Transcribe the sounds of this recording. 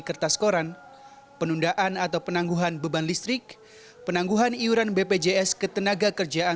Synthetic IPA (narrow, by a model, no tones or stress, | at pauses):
kərt̪asə̥koɾan | pənundaʔanat̪awpənaŋɡuɦanbəbanlist̪ɾɪk̚ | pənaŋɡuɦaniuɾanbeped͡ʒeɛskət̪ənaɡakərd͡ʒaʔa